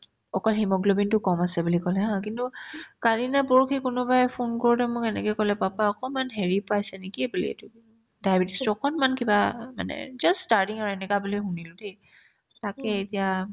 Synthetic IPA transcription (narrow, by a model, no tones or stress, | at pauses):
ɔkɔlɦimɔɡlobintʊkɔmasɛbulikɔlɛɦãkintukaɹinapɔɹkʰikʊnʊbajpʰonkɔɹutɛmʊkɛnɛ̰kɛkɔlɛpapaɔkɔmanɦeɹipajsɛnikiebulḭḛtʊ | dajabitistʊɔkʰɔnmankibama̰nɛ̰d͡ʒasstaɹtiŋaɹɛnɛkabulixunilʊde | takɛetija